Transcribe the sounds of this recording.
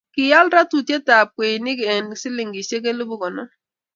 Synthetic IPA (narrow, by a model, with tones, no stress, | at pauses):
kɪ˨ja˦lɾa˦tu˨tje˦ta˨p̚kwe˨nɪ˦kɪ˨e˨nsɪ˦lɪ˨ŋɡi˨se˦k̬e˦lu˦bu˦kɔ˨nɔ˦